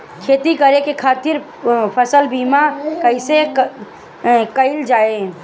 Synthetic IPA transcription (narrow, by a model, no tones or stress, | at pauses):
kʰeːt̪ikəɾekekʰaːt̪ɪɾ | pʰəsəlbimakəɪse | kəɪld͡ʒaːe